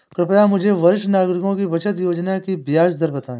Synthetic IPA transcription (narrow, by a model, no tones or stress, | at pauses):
kɾɪpjamʊd͡ʒʱeʋɐɾɪʃnaːɡɾɪkõːkibɐt͡ʃət̪joːd͡ʒnakibɪjaːsd̪əɾbɐt̪aːẽː